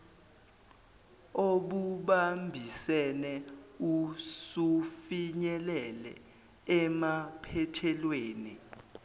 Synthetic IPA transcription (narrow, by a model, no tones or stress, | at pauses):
oɓuɓambʱisɛnɛusufiɲɛlɛlɛ̰ | ɛmapʰɛtʰɛlweːni